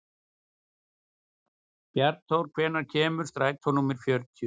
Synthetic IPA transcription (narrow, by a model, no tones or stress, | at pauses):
pjaɾt̪ʰowɾkʰvɛːnaɾ̥cʰɛːmʏ̥st̪ɾajk̚t̪ʰhɔnuːmɪɾ̥fjœɾt̪ʰjʏ